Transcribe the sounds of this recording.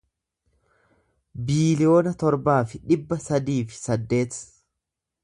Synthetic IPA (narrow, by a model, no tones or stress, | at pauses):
biːlɪjo̞ːnɐt̪ɔɾbaːfɪᶑɪbːɐsɐd̪iːfɪ̥sɐd̪ːe̞ːt̪